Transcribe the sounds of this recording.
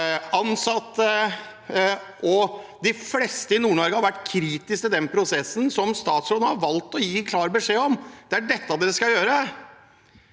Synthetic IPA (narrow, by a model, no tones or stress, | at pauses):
ɑnsɑt̪ːə | ʔɔd̪ɪflɛst̪əɪnuːɳɔɾɡəhɑɾʋæʈːkʰɾiːt̪ɪskt̪ɪd̪ɛnpʰɾʊsɛsːn̩sɔmst̪ɑːt̪sonəhɑɾʋɑlt̪ɔjiːkʰlɑːɾbəʂeːɔmd̪̥ɛæɖɛt̪ːɑd̪eːɾəskɑjøːɾə